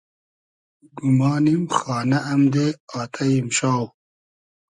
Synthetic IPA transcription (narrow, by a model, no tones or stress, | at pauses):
ɡumɑːnimxɑːnaʔːmd̪eaːt̪ʰajimɕaːw